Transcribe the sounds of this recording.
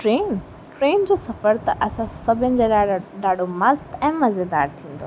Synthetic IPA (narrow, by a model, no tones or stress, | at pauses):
ʈɾeːn | ʈɾeːnd͡ʑoːsɐfəɾt̪ɐʔɐsãsɐbʱɪnɪ̆d͡ʑeːlaɗaːɖʱomɐst̪ɛ̃ːmɐzed̪a̰ːɾt̪ʰĩːn̆d̪o